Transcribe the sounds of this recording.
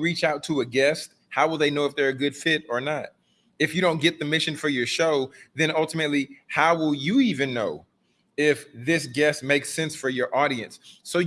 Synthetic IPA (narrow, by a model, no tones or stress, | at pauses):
ɹit͡ʃaʊtʰəɨɡɛst̚ | haʊwəlˠðeɪnoʊəfðə˞ɨɡʊd̥fɪɾə˞nət̚ | ɨfjɨɾõʊ̃nɡ̥ɛt̪̚ðɨmɪʃɨ̃nfə˞jə˞ʃoʊðɨ̃nʌlˠtɨmɨtˡlihaʊwɪlˠjɨivɨ̃nːoʊ | ɪfðɪsɡ̥ɛst̚meɪksɛ̃nsfə˞jə˞ʔɔɾiɨ̰̃nsːoʊ